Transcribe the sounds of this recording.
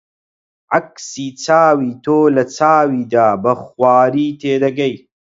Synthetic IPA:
ʕaksiːt͡saːwiːt̪ʰoːlɐt͡saːwiːd̪aːbɐxwaːɾiːt̪ʰeːd̪ɐɡɐj

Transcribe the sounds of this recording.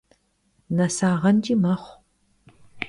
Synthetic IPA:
nɐsaːʁɐnd͡ʒʼiːmɐχʷ

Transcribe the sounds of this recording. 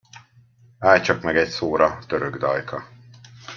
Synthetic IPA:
aːjt͡ʃɒkmɛɡɛcsoːɾɒt̪øɾøɡd̪ɒjkʰɒ

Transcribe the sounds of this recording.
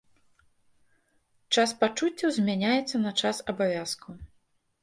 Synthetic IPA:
t͡ʂaspat͡ʂut͡sʲːɐwzʲmʲanʲajɛt̪sːɐnɐt͡ʂasɐbavʲaskʰu

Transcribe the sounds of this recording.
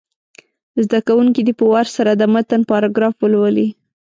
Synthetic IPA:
zd̪akawuŋkid̪ipəwaɾsaɾad̪əmət̪anpɑɾɑɡɾɑfwəlwəli

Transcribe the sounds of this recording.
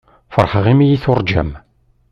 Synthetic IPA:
fəɾˤħʁimijiθʊɾˤd͡ʒæ̰m

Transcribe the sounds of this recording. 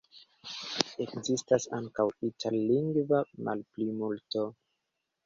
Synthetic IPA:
e̞kzistasaŋkawitʰallːiŋɡvamʔa̰lplimulto

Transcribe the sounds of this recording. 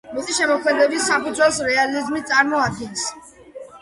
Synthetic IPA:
mɛsʰiʃɛmɔkʰmɛd̪ɛbisːapʰud̪zwɛlˠsɾɛalizmit̪sʼaɾmɔad̪̚ɡɛns

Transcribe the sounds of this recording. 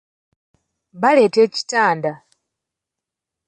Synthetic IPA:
βale̞teːci̥taːnda

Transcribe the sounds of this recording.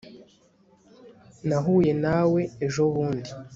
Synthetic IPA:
naɦuje̞nawe̞ːʒo̞βuːndi

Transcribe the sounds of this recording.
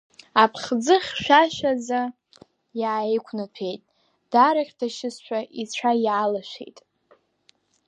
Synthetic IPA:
apʰχd͡zɨχʲʃʷᶣaʃʷᶣaza | jaːejkʷʰnɨpʰe̞jtʼ | d̥aɾaχʲdʰaʃɪsʃʷᶣaʔit͡ɕʷʰajʕalaʃʷḛjtʼ

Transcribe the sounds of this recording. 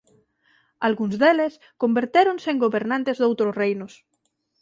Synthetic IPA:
alɣunzðeles | kombeɾt̪eɾonseŋɡoβeɾnãnt̪ezðowt̪ɾozrejnos

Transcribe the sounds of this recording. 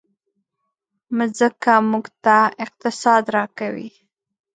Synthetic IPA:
mzəkamuɡt̪aɪq̚t̪ɪsɑd̪ɾɑkawḭ

